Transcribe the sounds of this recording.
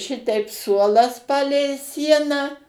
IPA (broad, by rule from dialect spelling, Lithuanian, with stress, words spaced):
ˈʃʲɪtʲɛɪp ˈsuɔlˠɐs ˈpɑːlʲɛɪ ˈsʲiɛnɑː